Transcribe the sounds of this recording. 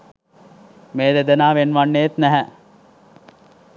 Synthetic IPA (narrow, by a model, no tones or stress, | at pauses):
meːd̪ed̪ənaːʋenʋanːeet̪næɦɛ